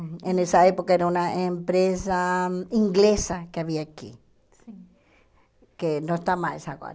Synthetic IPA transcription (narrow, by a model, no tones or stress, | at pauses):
enesaepokaeɾaunaʔempɾesaiŋɡlesakeaβiaːkḭ | kenoest̪amaesaɣo̰ɾ